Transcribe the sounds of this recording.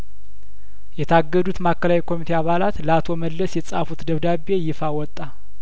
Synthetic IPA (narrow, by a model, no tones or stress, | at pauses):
jɛt̪ʰaɡːəd̪ut̪makːəlawikʰo̞mit̪ʰe̞aβalat̪ləat̪ʰo̞məlːəsjɛt͡sʼa̰fut̪d̪əβd̪abe̞jɪfawɔt̪ʼːa